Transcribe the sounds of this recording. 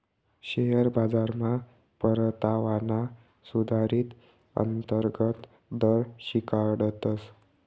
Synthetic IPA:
ɕeɦəɾbad͡zaɾma | pəɾt̪aʋana | sud̪ʱaɾiːt̪ | ə̰nt̪əɾɡət̪ | d̪əɾɕikaɽət̪əs

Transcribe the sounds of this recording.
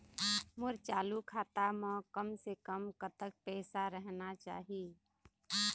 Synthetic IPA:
mʊɾt͡ʃaːlukʰaːt̪amə̃kəmsekəmkət̪ək̚pɛːsaɾəɦnat͡ʃa̰ːɦi

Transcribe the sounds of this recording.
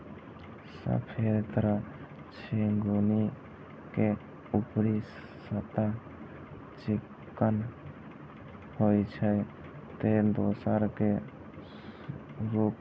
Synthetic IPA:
sə̰pʰeɾt̪əɾə | t͡ʃʰiŋɡuni | ke | upɾi | sət̪a | t͡ʃɪkː | ən | hojt͡ʃʰə | t̪ed̪osəɾke | ɾuk

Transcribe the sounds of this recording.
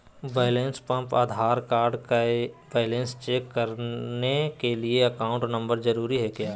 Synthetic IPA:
ʋeːlẽnspɐ̃mpaːd̪ʱaːɾkaːɾɖkaʋeːɪlẽnst͡ʃeːkːɐɾnekelieɐkaːʊ̃ɳʈnɐ̃mbəɾzɐɾuːɾiɦɛkjaː

